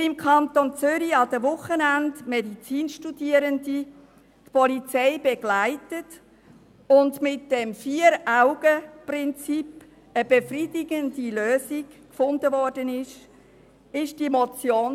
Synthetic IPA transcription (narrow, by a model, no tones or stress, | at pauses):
ɪmkʰɑnt̪ont͡sʏɾiɑdəvʊχənændmɛdit͡siːnʃtudiːəɾəndi | tpɔlit͡sɛɪbɛɡ̥laɪtət | ʊndmɪt̚d̥ɛmfiːəɾaʊɡ̥əprɪnt͡sip | əb̥efridɪɡəndiløːzikkfʊndəvɔrd̥ənɪʃ | ɪʃd̥imɔt͡sjoːn